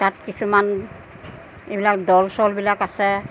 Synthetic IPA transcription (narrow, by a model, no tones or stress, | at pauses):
tat̚kisʰuman | ebilakdɔlsɔlbilakasɛ